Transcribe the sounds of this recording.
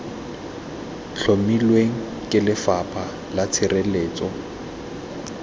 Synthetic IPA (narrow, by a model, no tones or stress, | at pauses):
ɬʰomilweŋ̩ | kʼɪlɪfapʰʼa | lat͡sʰɪreleːt͡sʼɔ